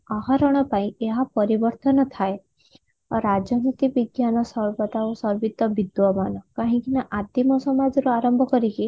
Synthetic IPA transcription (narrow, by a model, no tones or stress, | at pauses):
ɔɦɔɾɔɽ̃ɔpaĩeɦapɔɾibɔɾt̪ɔnɔt̪ʰae | ɾad͡ʒɔnit̪ibiɡjanɔsɔɾbɔt̪aosɔɾbit̪ːɔbid̪wɔmanɔkaɦĩŋkinaʔat̪imɔsɔmad͡ʒɔɾuaɾɔmbʱɔkɔɾiki